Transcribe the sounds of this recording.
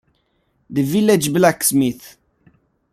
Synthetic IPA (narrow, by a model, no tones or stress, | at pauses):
d̪əvilɛd͡ʒblaksmiθ